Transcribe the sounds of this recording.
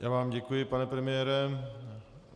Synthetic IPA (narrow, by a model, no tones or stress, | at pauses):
jʔaːvaːmɟɛkujɪpanɛpɾɛmɪjɛːɾɛ